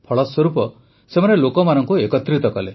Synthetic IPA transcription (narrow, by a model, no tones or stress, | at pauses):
pʰɔɭɔswɔɾupɔ | semanelokɔmanɔŋkuekɔt̪ɾit̪ɔkɔle